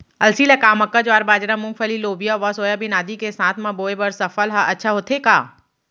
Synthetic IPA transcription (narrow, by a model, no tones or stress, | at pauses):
ɐlsiːlɐkaːmɐkːad͡ʒoaːɾbaːd͡ʒɾamʊ̃ŋkfʰəliloːbijaʋɐsoːjabinaːd̪ikesaːt̪ʰmɐ̃boːebɐɾsɐfəlɦaʔɐtːʃʰaɦoːt̪ʰekaː